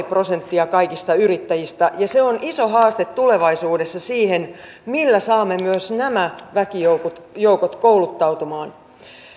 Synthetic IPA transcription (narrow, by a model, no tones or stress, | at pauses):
ipro̞se̞nt̪ːiɑkɑijkist̪ɑyɾit̪ːæjist̪æʔjɑse̞oniso̞ɦɑːst̪e̞t̪tule̞ʋɑisuːdesːɑsiːhen | milːæsɑːmːe̞myøsnæmæʋækijoukut̪jouwkot̪koulut̪ːɑwt̪umɑːn